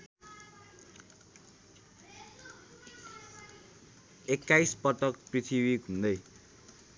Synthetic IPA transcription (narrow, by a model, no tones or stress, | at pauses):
ekːajspʌʈʌk̚prit̪ʰiβiɡʱũnd̪ʌj